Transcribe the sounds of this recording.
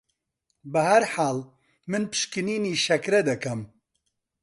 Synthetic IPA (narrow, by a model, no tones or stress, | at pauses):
bɨhɐɾħaːl | mɨnpɨ̥ʃkɨniːniːʃɐkɾɛd̪ɐkɐm